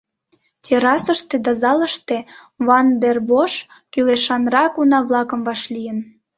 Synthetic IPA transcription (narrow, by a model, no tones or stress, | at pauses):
t̪ʲeɾɑsəʃt̪ed̪ɑzɑləʃt̪e | βɑnd̪erboʃkyleʃɑnrɑkunɑβlɑkə̆mvɑʃlʲijən